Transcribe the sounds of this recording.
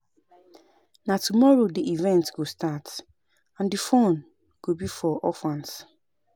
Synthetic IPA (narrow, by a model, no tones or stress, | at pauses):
natumɔɹodiʔivɛ̃ntɡostat | ãndifõn | ɡ̥obifɔʔɔfãns